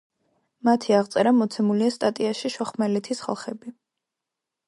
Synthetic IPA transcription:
mat̪ʰiaʁt̪sʼɛɾamɔt̪sʰɛmuliast̪ʼat̪ʼiaʃiʃɔχmɛlɛt̪ʰisχa̰lˠχɛbi

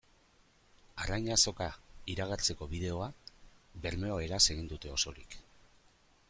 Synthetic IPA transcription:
arajɲaso̞kaiɾaɣ̞aɾt͡se̞ko̞βiðe̞o̞aβe̞ɾme̞oe̞ɾase̞ɣ̞ind̪ut̪e̞o̞so̞ɾḭk

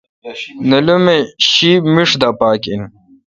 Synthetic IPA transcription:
nɐlumeɕimiʂd̪apaːkin

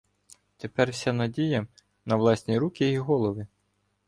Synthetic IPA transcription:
t̪epɛrsʲanɐdʲijɐ | nɐʋlˠɑsʲnʲiɾukʲɪiɦɔlˠɔʋɪ

